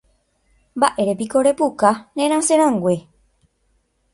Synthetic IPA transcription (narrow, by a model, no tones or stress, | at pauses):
mbaʔe̞ɾepiko̞ɾe̞pukanẽɾ̃ãsẽɾ̃ãŋɡwʷe̞